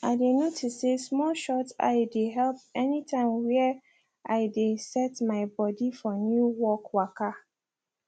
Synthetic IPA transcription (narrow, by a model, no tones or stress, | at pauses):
aɪdenotʰisːesmɔlʃɔta̰ɪdeɦɛlp̚ɛnitʰãɪ̃mwɛ | aɪdesɛtmaɪbɔdifɔnjuwɔkwaka